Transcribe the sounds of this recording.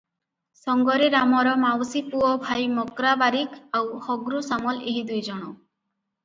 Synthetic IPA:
sɔŋɡɔɾiɾamɔɾɔmawsipuɔbʱajmɔkɾabaɾikawhɔɡɾusamɔleɦid̪ujd͡ʒɔɽ̃ɔ

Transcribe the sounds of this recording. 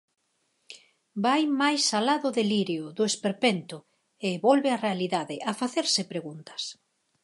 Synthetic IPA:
bajmajsalaðʊðeliɾjʊðʊespeɾpent̪ʊ | eβɔlβearealiðaðɪʔafaθeɾsɪpɾeɣunt̪ɐ̥s

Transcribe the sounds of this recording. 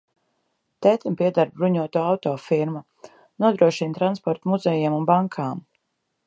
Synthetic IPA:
t̪ɛt̪mpiɛd̪aɾbɾuɲuɔt̪uːawt̪ɔːfiɾmu | nuɔd̪ɾuɔʃint̪ɾanspɔɾt̪muzɛjiɛmunbaŋkʰaːm

